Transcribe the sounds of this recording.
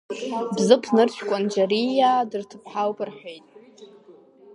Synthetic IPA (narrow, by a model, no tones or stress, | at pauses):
bzɨpʰnɨrt͡ɕʷʰᶣkʷʼand͡ʒarijadɨrtʰɨpʰħawpʰʼɨrħʷᶣejtʼ